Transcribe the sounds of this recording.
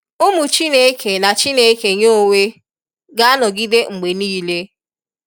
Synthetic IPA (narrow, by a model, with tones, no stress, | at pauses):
ʊ˦mu˨t͡ʃi˦ne˨˦kʰe˨na˨t͡ʃi˦ne˨˦ke˨ɲo˦ŋe˦ | ɡa˦a˦nɔ˨ɡɪ˦de˦ŋ͡m̩˨ɡ͡be˨niː˦le˦